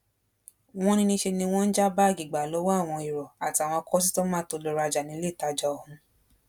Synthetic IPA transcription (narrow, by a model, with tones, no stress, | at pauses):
w̃ɔ̃˦nĩ˧nĩ˧ʃe˧nĩ˧w̃ɔ̃˦n̩˦d͡ʒa˦ba˦˨ɡi˨ɡ͡ba˨lo˨˦wa˦a˦˨w̃ɔ̃˧i˨ɾɔ˨a˨ti˧˦a˨w̃ɔ̃˧kɔ˦s̬i˦to˦mãː˦to˧lo˨˧ɾa˧d͡ʒa˨nĩ˨˦le˦i˨ta˧d͡ʒa˧ɔ˨hũ˧˦